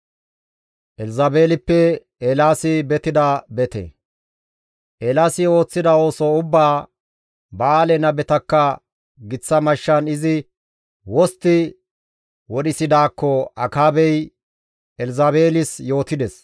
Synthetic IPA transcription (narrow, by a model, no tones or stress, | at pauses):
ʔɛlzaːbe̞ːlɪpːɛ | elaːsɪbɛt̪ɪd̪ɐbɛt̪ɛ̰ | ʔeːlaːsɪo̞ːt͡sːɪd̪ɐo̞ːsoʊbːaː | bɐːlɛnɐbɛt̪ɐkːɐ | ɡɪt͡sːɐmɐʃːɐnɪzɪ | wɔst̪ːɪ | wɔɗɪsɪd̪aːkːɔɐkaːbɛj | ɛlzabe̞ːlɪsjo̞ːt̪ɪd̪ɛs